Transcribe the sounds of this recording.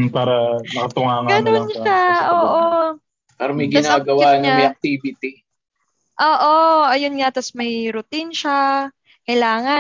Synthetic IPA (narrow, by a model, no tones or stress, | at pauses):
paːɾɐmɐkɐt̪ʊŋaːŋɡɐnonʃaoːʔo | paːɾɐmɐjɡɪasaːɡɐwaːnɲɐmɐjɐk̚t̪iːbɪt̪i | ʔoːʔoʔɐjonŋɐt̪ɐsmɐjɾʊt̪inʃa | kɐjlaːŋɐ